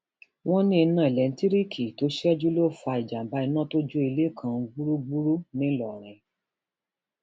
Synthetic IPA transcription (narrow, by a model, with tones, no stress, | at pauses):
w̃ɔ̃˦nĩ˦˧˦nã˦˨i˨lɛ˨n̩˦ti˦ɾi˦kʰi˨to˨˦ʃɛ˦d͡ʒu˦lo˦˨fa˧i˨d͡ʒa˨m̩˨ba˧˦i˧nã˦˨to˦d͡ʒo˦i˧le˦˨kʰã˧ɡ͡bu˦ɾu˦ɡ͡bu˦ɾu˦nĩ˨˦lɔ˨ɾ̃ĩ˨